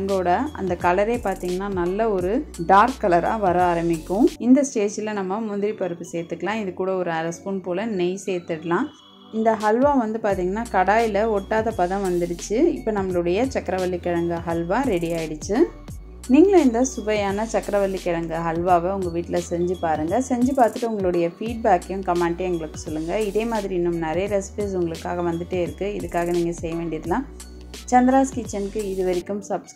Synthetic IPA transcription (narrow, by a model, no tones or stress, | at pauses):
ŋɡoːɽɐɐ̰nd̪ɐkɐlɐɾeːpaːɾt̪iːŋɡɐnːaːnɐlːɐɔɾɯɖaːɾkːɐlɐɾa̰ːʋɐɾɐaːɾɐmɪkːʊ̃ɪnd̪ɐsʈeːd͡ʒɪlɐnɐmːɐmʊnd̪ɪɾipɐɾɯpːɯseːɾt̪ːɯkːɐlãːɪðɯkːuːɽɐɔɾɯɐɾɐspʊnpoːlɐnɛjseːɾt̪ːɪɽɯlãː | ɪnd̪ɐɦɐlʋaːʋɐnd̪ɯpaːɾt̪iːŋɡɐnːaːkɐɽaːjɪlɐɔʈːaːðɐpɐðɐ̃ʋɐnd̪ɪɽɯt͡ʃːɯɪpːɐnɐmːɐɭɯɽɐjɐt͡ʃɐkːɾɐʋɐlːikɪɻɐŋɡɐɦɐlʋaːɾɛɽɪjaːjɪɽɯt͡ʃːɯ | niːŋɡɐɭɐɪnd̪ɐsʊbɐjaːnɐt͡ʃɐkːɾɐʋɐlːikɪɻɐŋɡɯɦɐlʋaːʋɐʊŋɡɐʋiːʈːɪlɐsɛɲd͡ʒɯpaːɾɯŋɡɐsɛɲd͡ʒɯpaːɾt̪ɯʈːɯʊŋɡɐɭʊɽɐjɐfiːɖ̚baːkːɐjʊ̃mkɐmɛɳʈɐɛŋɡɐɭɯkːɯ̥sɔlːɯŋɡɐɪðeːmaːðɪɾiɪnːɯmnɐɾɐjɐɾɛspesʊŋɡɐɭɯkːaːɣɐʋɐnd̪ɯʈːeːɪɾɯkːɯɪðɯkːaːɣɐniːŋɡɐsɛjːɐʋeːɳɖɪɐðɐlãː | t͡ʃɐnd̪ɪɾaːskit͡ʃːɐnkːɯɪðɯʋɐɾɪkːɯmsɐbs